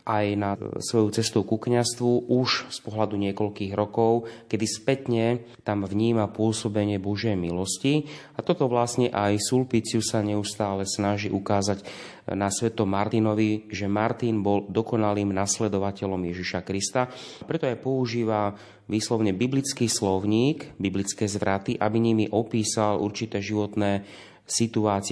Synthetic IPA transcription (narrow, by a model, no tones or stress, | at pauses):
ʔajnasʋɔjut͡sɛst̪ɔuʊkukɲast̪ʋuʔuʃspɔɦlad̪uɲɪɛkɔlkiːɣɾɔkɔʊkɛd̪ispɛt̪ɲɛ | t̪amvɲiːmapʊɔsɔbɛɲɪɛbɔʒjɛjmilɔsciat̪ɔt̪ɔʋlasɲɛʔajsulpit͡sɪusaɲɛust̪aːlɛsnaʒiʔukaːzaɟ | nasʋɛt̪ɔmaɾt̪inɔʋiʒɛmaɾt̪inbɔld̪ɔkɔnaliːmnaslɛd̪ɔʋacɛlɔmjɛʒiʃakɾist̪apɾɛt̪ɔapɔuʒiːʋa | ʋiːslɔʊɲɛbiblit͡skiːslɔʊɲiːkbiblit͡skɛːzʋɾat̪iʔabiɲimiʔɔpiːsalʔṵɾt͡ʃit̪ɛːʒiʋɔt̪nɛː | sit̪uaːt͡sɪ